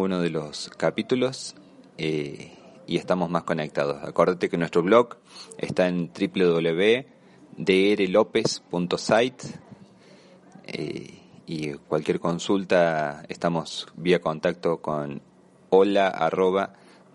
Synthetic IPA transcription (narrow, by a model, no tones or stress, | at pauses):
unoðeloskapit̪ulo̞s | e | ḭe̞st̪amozmasko̞nek̚t̪að̞osa̰ko̞ɾðat̪ekenwest̪ɾoβ̞lo̞ɣ | ḛst̪ae̞nt̪ɾipleðoβleβe | d̪eeɾelo̞pe̞spunt̪osajt̪ | ḛikwalkʲje̞ɾko̞nsult̪aḛst̪amo̞sβiako̞nt̪ak̚t̪o̞kon | olaa̰roβ̞a